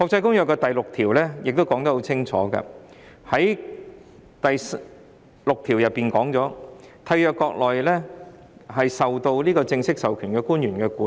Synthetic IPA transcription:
hɔː˧k̚t͡sɐ˧jkʊ˥ŋjœː˨˩kːɛː˧t̪ɐ˨jlʊ˨k̚t̪ʰiː˨˩wlɛː˥jɪ˨k̚t̪o˥wkɔː˨˥ŋt̪ɐ˦˥ho˨˥wt͡sʰɪ˥ŋt͡ʃʰɔ̰ː˨˥kɐ̰˧hɐ˨˥j | t̪ɐ˨js | lʊ˨k̚t̪ʰi˨˩wjɐ˨pːiː˨˩nkɔː˨˥ŋt͡sɔː˨˥t̪ʰɐ˧jœː˨kːɔː˧k̚lɔː˨jlɛː˥ | ɦɐ˨jsɐ˨wt̪o˧wliː˥kɔː˧t͡sɪ˧ŋsɪ˥k̚sɐ˨wkʰyː˨˩nkɛː˧kuː˥njyː˨˩nkɛː˧kuː˨˦˥

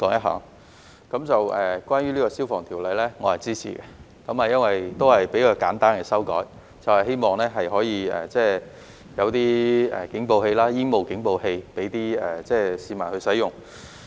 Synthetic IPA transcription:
kɔː˨˥ŋjɐ˥t̚ɦa̰ː˨˥ŋ | kɐ˨˥mt͡sɐ˨wɛː˨˩kʷaː˥njyː˥liː˥kɔː˧siː˥wfɔː˨ŋt̪ʰiː˨˩wlɐ˨˧jlɛː˥ŋɔː˨˧hɐ˨jt͡siː˥t͡sʰḭː˨kɛ˧ | kɐ˨˥maː˨jɐ˥nwɐ˨jt̪o˥whɐ˨jpe˨˥jkɔː˧kaː˨˥nt̪aː˥nkɛ˧sɐ˥wkɔ̰ː˨˥j | t͡sɐ˨whɐ˨jɦe˥jmɔː˨ŋlɛː˥ɦɐ˨jɦɔː˨˥jiː˧ɛ̰ː˨˩t͡sɛː˥˩ | jɐ˨˧wt̪iː˥ɛ̰ː˨˩kɪ˨˥ŋpo˧whe˧jlaː˥jɪ˥ŋmo˨wkɪ˨˥ŋpo˧whe˧jpe˨˥jt̪iː˥ɛ˨˩t͡sɛː˥˩siː˨˧maː˨˩nhɵ˧ɥsɐ˨˥jʊ˨ŋ

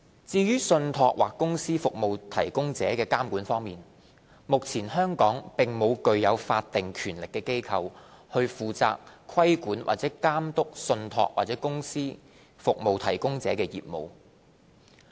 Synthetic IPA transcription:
t͡siː˧ɥyː˥sɵ˧nt̪ʰɔː˧k̚waː˨˩kːʊ˥ŋsiː˥fʊ˨k̚mo˨wt̪ʰɐ˨˩jkʊ˥ŋt͡sɛː˨˥kɛː˧kaː˥mkuː˨˥nfɔː˥ŋmiː˨n | mʊ˨k̚t͡sʰiː˨˩nhœː˥ŋkɔː˨˥ŋpɪ˨ŋmo˨˧wkɵ˧ɥjɐ˨˧wfaː˧t̚t̪ɪ˨ŋkʰyː˨˩nlɪ˨kːɛː˧ke˥jkʰɐ˧whɵ˧ɥfuː˨t͡sa̰ː˧k̚kʰwɐ˥jkuː˨˥nwa̰ː˨˩t͡sɛː˨˥kaː˥mt̪ʊ˥k̚sɵ˧nt̪ʰɔ̰ː˧k̚wa̰ː˨˩t̚t͡sɛː˨˥kʊ˥ŋsiː˥ | fʊ˨k̚mo˨wt̪ʰɐ˨˩jkʊ˥ŋt͡sɛː˨˥kɛː˧jḭː˨p̚mo̰˨w

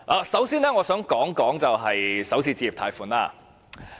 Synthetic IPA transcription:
ʔaː˨˧sɐ˨˥wsiː˥nɛː˥ŋɔː˨˧sœː˨˥ŋkɔː˨˥ŋkɔː˨˥ŋt͡sɐ˨wɦɐ˨jsɐ˨˥wsiː˨˧t͡siː˧iː˨p̚t̪ʰaː˨˧jfuː˨˩nla̰ː˧

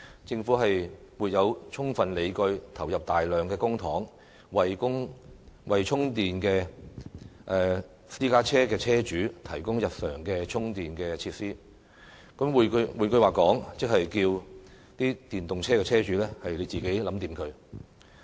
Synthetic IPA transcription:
t͡sɪ˧ŋfuː˨˥ɦɐ˨jmwuː˨t̚jɐ˨˧wt͡sʰʊ˥ŋfɐ˨nle˨˧jkɵ˧ɥt̪ʰɐ˨˩wjɐ˨p̚t̪aː˨jlœː˨˩ŋkɛː˧kʊ˥ŋt̪ʰɔː˨˥ŋ | wɐ˨jkʊ˥ŋwɐ˨jt͡ʃʰʊ˥ŋt̪iː˨nkɛː˧ | ʔɛ˨˧ | siː˥kaː˥t͡sʰɛː˥kɛː˧t͡sʰɛː˥t͡ʃyː˨˥t̪ʰɐ˨˩jkʊ˥ŋjɐ˨t̚sœː˨˩ŋkɛː˧t͡ʃʰʊ˥ŋt̪iː˨nkɛː˧t͡sʰiː˧t̚siː˥ | kɐ˨˥mwu˨˧kwuː˨˩nkɵ˧waː˨kɔː˨˥ŋt͡sɪ˥k̚ɦhɐ˨jkiː˧w | t̪iː˥t̪iː˨nt̪ʊ˨ŋt͡sʰɛː˥kɛː˧t͡sʰɛː˥t͡ʃyː˨˥lɛː˥hɐ˨jle˨˧jt͡siː˨ke˨˥jlɐ˨˥mt̪iː˨˩mkʰɵ˨˧ɥ

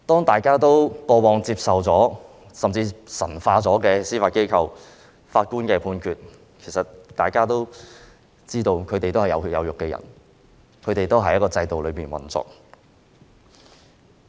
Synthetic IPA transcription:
t̪ɔː˥ŋt̪aː˨jkaː˥t̪̬o˥wpɔː˧wɔː˨˧ŋt͡siː˧p̚sɐ˨wt͡sɔː˨˥ | sɐ˨mt͡siː˧sɐ˨˩nfaː˧t͡sɔː˨˥kɛː˧siː˥faː˧t̚ke˥jkʰɐ˧w | faː˧t̚kuː˥nkɛː˧pʰuː˨˧nkʰyː˨˧t̚ | kʰe˨˩sɐ˨t̚t̪aː˨jkaː˥t̪o˥w | t͡siː˥t̪o˧wkʰɵ˨˧t̪e˨jt̪o˥whɐ˨˩jɐ˨˧wjɐ̰˨˧wjʊ˨kːɛː˧jɐ̰˨˩n | kʰɵ˨˧ɥt̪e˨jt̪o˥wɦɐ˨˥j̚kɔː˧t͡sɐ˧jt̪o˨wlɵ˨˧ɥpiː˨˩nwɐ̰˨˩nt͡sɔ̰ː˨˩k̚

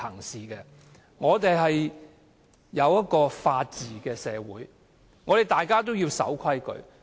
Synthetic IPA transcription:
ɐ˨˩ŋsiː˨kɛː˧ | ŋɔː˨˧t̪e˨jɦɐ˨j | jɐ˨˧wjɐ˥t̚kɔː˧faː˧t̚t͡siː˨kɛː˧sɛː˨˧wuː˨˥j | ŋɔː˨˧t̪e˨˩jt̪aː˨jkaː˥t̪̬o˥wjiː˧wsɐ̰˨˥wkʰɐ˥jkɵ̰˨˧ɥ

